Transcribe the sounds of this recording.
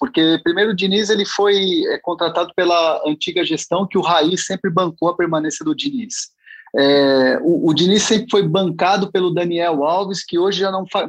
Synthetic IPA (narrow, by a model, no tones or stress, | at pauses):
poɾkepɾimejɾʊːd͡ʒinizelɪfojɛkõnt̪ɾat̪ad̪ʊpelɐɐ̃nt͡ʃiɡɐʒest̪ɐ̃w̃kɪʊɦaisːẽmpɾɪbɐ̃ŋkowɐpeɾmɐ̃nẽsjɐd̪ʊd͡ʒinis | ɛʊːd͡ʒinisːẽmpɾɪfojbɐ̃ŋkad̪ʊpelʊd̪ɐniɛwawviskɪoʒɪʒanɐ̃w̃fa